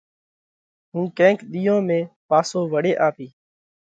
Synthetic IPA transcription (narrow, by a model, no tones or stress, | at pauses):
ɦũːkẽːŋkɗ̪iːjõːmẽːpaːsoːʋəɽeːʔaːpiː